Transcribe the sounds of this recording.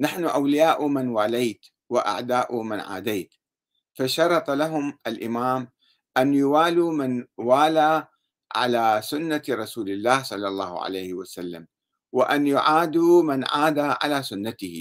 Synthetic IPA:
naħnʊʔawlɪjaːʔʊmɪnwaːlajt̪ | waʔa̰ʕd̪aːʔʊmɪnʕa̰ːd̪aːt̪ | faʃɑɾˤɑt̪ˤɑlaɦʊmʔalʔɪmaːm | ʔanjʊwaːluːmɪnwaːla | ʕa̰laːsʊnːaɾˤɑsuːlɪlːaːhsˤɑlːɑlˤːɑːhʕa̰lejhɪwasalːa̰m | wɪʔanjʊʕaːd̪umɪnʕaːd̪aʕa̰laːsʊnːat̪ɪhɪ

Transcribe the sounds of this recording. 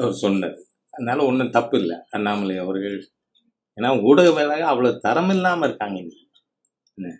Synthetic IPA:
ɐʋɐɾɯsɔnːɐðɯ | ɐðɯnaːlɐɔnːɐt̪ɐpːɪlːɐ̰ɐðnaːmɐlɐjɐʋɐɾɣɐɭ | eːnːaːuːɽɐɣɐʋeːlɐɣɐɐʋɐɭoːt̪ɐɾɐmɪlːaːmɐɪɾɯkːaːŋɡɐɪnd̪i | nːɐ

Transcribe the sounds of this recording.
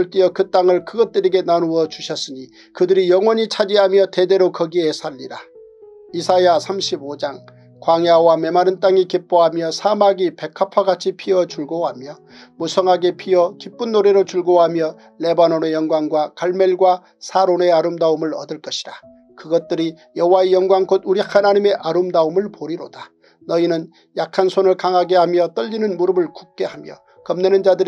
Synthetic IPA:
ɯɭt͈iʌkɯt͈aŋɯɭkɯɡʌt̚t͈ɯɾe̞ɡe̞nanuʌt͡ɕuɕʰʌs͈ɯɲi | kɯdɯɾijʌŋwʌɲit͡ɕʰad͡ʑiɦamjʌte̞de̞ɾokʌɡie̞sʰaʎːiɾa | isʰajasʰamɕʰibod͡ʑaŋ | kwaŋjawame̞maɾɯnt͈aŋikip͈oɦamjʌsʰamaɡipe̞kʰapʰaɡat͡ɕʰipʰiʌt͡ɕuɭɡoɦamjʌ | musʰʌŋɦaɡe̞pʰiʌkip͈ɯnːoɾeɾot͡ɕuɭɡoɦamjʌ | le̞banonejʌŋɡwaŋɡwakaɭme̞ɭɡwa | sʰaɾone̞aɾɯmdaumɯɭʌ̰dɯɭk͈ʌɕʰi̥da | kɯɡʌt̚t͈ɯɾi | jʌɦowaejʌŋɡwaŋkoduɾihanaɲime̞ʔaɾɯmdaumɯɭpoɾiɾoda | nʌinɯn | jakʰansʰonɯɭkaŋɦaɡe̞hamjʌt͈ʌʎːinɯnmuɾɯbɯɭku̥k̚k͈e̞hamjʌ̰ | kʌmnenɯnd͡ʑadɯɾ

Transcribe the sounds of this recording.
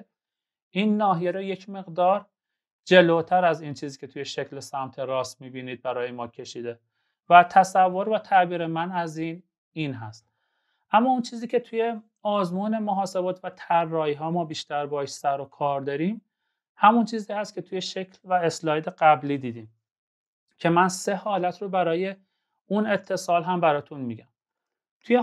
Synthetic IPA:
ʔiːnːɒːɦijeɾoːje̞cʰme̞ɣd̪ɒːɾ | d͡ʒe̞lot̪ʰæɾæziːnt͡ʃʰiːziːkcʰe̞t̪ʰujeʃecʰlesæmt̪ʰe̞ɾɒːsmiːbiːniːd̪̚bæɾɒːjemɒːcʲʰe̞ʃiːd̪e | væt̪ʰæsævːoɾvæt̪ʰæbiːɾemænæziːn | iːnɦæst̪ | ʔæmːɒːunt͡ʃʰiːziːcʰe̞t̪ʰuje̞ | ɒːzmuːne̞moɦɒːse̞bɒːt̪ʰvæt̪ʰæɾːɒːhiːɦɒːmɒːbiːʃt̪æɾbɒːeʃsæɾokʰɒːɾd̪ɒɾiːm | hæmunt͡ʃʰiːziːhæst̪̚cʰe̞t̪ʰujeʃecʰlvæeslɒːjd̪e̞ɡæbliːd̪iːd̪im | cʰe̞mænse̞hɒːlæt̪ʰrobæɾɒːje̞ | une̞t̪ʰːe̞sɒːlɦæmbæɾɒːt̪ʰunmiːɟæm | t̪ʰuje

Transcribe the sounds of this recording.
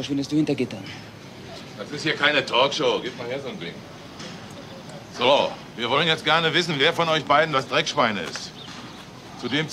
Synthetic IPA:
fɐʃʋɪndəstd̥uːhɪntɐɡɪtɐn | d̥asɪsthiːɐkʰaɪnətʰɔːkʃoːɡiːp̚t̚maːliːɐzoːndɪ̰ŋk | z̥oviːɐvɔlənjɛt͡st̚ɡ̥ɛɐnəvɪsn̩veːɐfɔnɔʏçb̥aɪdn̩dasd̥ʁɛkʃv̥aɪnəɪ̰st | t͡sudeːmt͡s

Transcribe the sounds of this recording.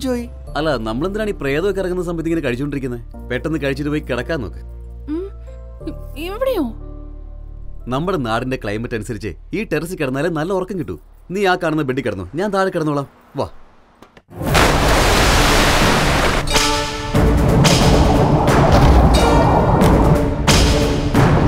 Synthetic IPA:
d͡ʑoːji | ɐlːanɐmːɐɭend̪ɾnaːɳiːpreːðɐʋokʲːɐrɐŋːunːɐs̬ɐmbɐt̪iŋːɐnɨkɐɻit͡ɕːkːoɖiɾikʲːunːɐð | pe̞ʈːenːɨkɐɻit͡ɕːiɾuʋojkɨkiɽɐkːaːno̰ːkːɨ̥ | m | iʋʋiɽejoː | nɐmːuɽenaːɽinde̞kɭɐ̰jmɐtːɐnusɐɾit͡ɕːɨ̰iːʈeɾɐs̬ɨkːɐɽɐnːaːlenɐlːɐɔrɐkːɐŋkiʈːṵniːaːkːaːɳunːɐbeɖːikʲːɐɽɐnːṵɲaːnt̪aːɾɐkːɐɽɐnːuʋɭaːm | ʋa̰

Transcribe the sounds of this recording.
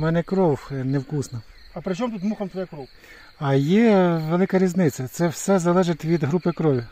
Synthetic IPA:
mɛnɛkɾɔwnewkusnɐ | ɐpɾɪt͡ʃɔmt̪ut̪muxɐmt̪ʋɔjɛkɾɔw | ɐjɛʋelˠɪkɐɾʲiznɪt͡sʲːɐt̪sɛwsɛzɐlˠɛʒɪt̪ʲʋʲid̪ɦɾupɪkɾɔʋʲi

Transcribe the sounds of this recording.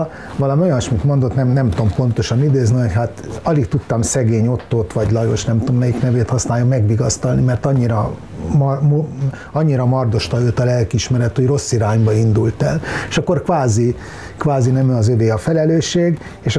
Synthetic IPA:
vɒlɒmio̞jɒnʃmit̪mo̞nd̪o̞t̪nɛmnɛmt̪o̞mpo̞nt̪o̞ʃɒnid̪eːzniho̞chaːt̪ɒlik̚t̪ut̪ːɒmsɛɡeːɲo̞t̪ːoːt̪ʋɒɟlɒjo̞̰ʃnɛmt̪o̞mnɛjiknɛveːt̪hɒsnaːjomɛɡʋiɡɒst̪ɒlnimɛrt̪ɒɲːiɾɒ | mmo | ɒɲːiɾɒmɒrd̪o̞ʃt̪ɒjøːt̪ɒlɛlkiʃmɛɾɛt̪ojro̞sːiɾaːɲbɒind̪ult̪ɛleʃɒkːo̞rkʋaːzi | kʋaːzinɛmyɒzøveːɒfɛlɛløːʃeːɡ | eːʃ

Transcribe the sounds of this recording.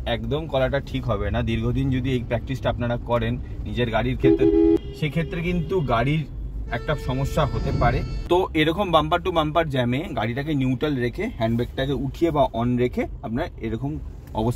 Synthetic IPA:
ɛkd̪omkɔlaʈ̬aʈʰikɦɔbenad̪iɾɡʱod̪ind͡ʑod̪iejpɾɛk̚ʈɾisʈaapnaɽakɔɾenːid͡ʑeɾɡaɽiɾkʰet̪ːɾeʃekʰet̪ːɾekint̪uɡaɽiɾ | ɛk̚ʈaʃɔmoʃːaɦot̪epaɾet̪oʔeɾɔkombampaɾʈubampaɾd͡ʑɛmeɡaɽiʈak̬enjuwʈalɾekʰehɛɳɖbek̚ʈakeuʈʰijebaʔɔnɾekʰeap̚naɾeɾɔkom | ɔ̰bos

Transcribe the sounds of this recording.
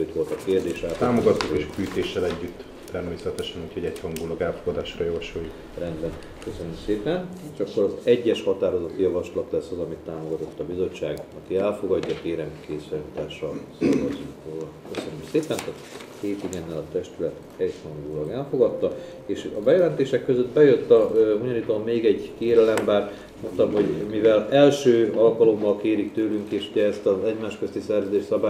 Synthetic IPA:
øt̪ʋo̞lt̪ɒkeːrd̪eːʃaːt̪aːmo̞ɡɒt̪ːukeːʃkyːt̪eːʃːɛlɛɟːyt̪ː | ɛrmeːsɛt̪ɛʃɛnuːchoɟɛɟhɒŋɡulɒɡɛlfo̞ɡɒd̪aːʃrɒjɒvɒʃojuk | rɛnd̪bɛn | kø̞sønømseːpɛneːʃɒkːo̞ɾɒzɛɟːɛʃhɒt̪aːɾo̞zɒt̪ijɒvɒʃlɒt̪lɛsːɒzɒmit̪ːaːmo̞ɡɒt̪o̞t̪ːɒbizo̞t͡ʃːaːɡmɒt̪iɛlfo̞ɡɒɟːɒkeːɾɛmkeːszaːlit̪aːʃɒlsolɡɒzuŋkolɒkøsønømseːpɛnt̪aːt̪ | keːt̪iɡenːɛlɒt̪ɛʃt̪ylɛt̪ | ɛɟsɒmnoɡulɒɡɛlfo̞ɡɒt̪ːɒ | eːʃɒ̰bɛjɛlɛnt̪eːʃɛkːøzød̪bɛjøt̪ːɒboɲoniːt̪oːmːeːɡɛɟkeːɾɛlɛmbaːr | mont̪ɒmho̞ɟmivɛlɛlʃøːɒlkɒlo̞mːɒlkeːɾikt̪øːlyŋkeːʃuɟɛːst̪ɒzɛɟmaːʃkøst̪isɛrzød̪eːʃsɒbaː

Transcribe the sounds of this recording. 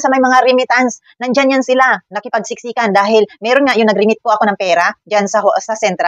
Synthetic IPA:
sɐmɐjmɐŋaɾɪmɪt̪ans | nɐŋd͡ʒanjansɪlanɐkɪpɐɡ̚sɪk̚siːkand̪aːɦɪlmɛːɾonŋaʔjʊŋnɐɡɾɪmɪt̪̚koʔɐko̞nɐŋpɛːɾad͡ʒansɐhsɐsɛnt̪ɾa

